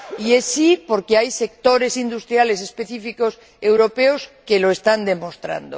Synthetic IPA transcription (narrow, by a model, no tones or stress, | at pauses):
iesipo̞ɾkeajse̞k̚t̪o̞ɾe̞sind̪ust̪ɾjale̞s̬espe̞θifiko̞s | e̞wɾopeoskeloest̪and̪e̞most̪ɾa̰nd̪o̰